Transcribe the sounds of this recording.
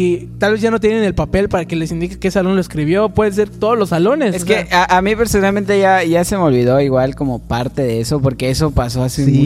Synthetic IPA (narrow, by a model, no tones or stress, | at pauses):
it̪alβezʝanot̪jenene̞lpape̞lpaɾake̞le̞sind̪ikekesesalo̞nloeskɾiβ̞jo̞pwe̞ðenseɾt̪o̞ðozlo̞sːalo̞nesekeaʔamipeɾsonalmẽnt̪eʝaʝase̞meo̞lβiðo̞iɣwalko̞mo̞paɾt̪e̞ðeeso̞po̞ɾke̞eso̞paso̞aseu